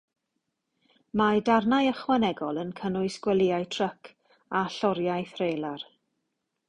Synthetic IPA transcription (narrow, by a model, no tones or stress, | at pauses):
madarnajəχwanɛɡɔlˠənkʰənʊɨsɡ̥wəlˠɪajtʰr̥əkʰ | aɬɔɾjajθrejlˠar